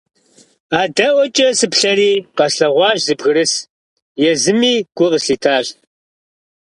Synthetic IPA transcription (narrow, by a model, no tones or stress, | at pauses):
aːdɐwɐt͡ʃʼɐsɨpɬɐɾiːqɐsɬɐʁʷɑːʑzɨbɣɨɾɨs | jɛzɨmiːɡ̥ʷʊʁəsɬiːtʰaːɕ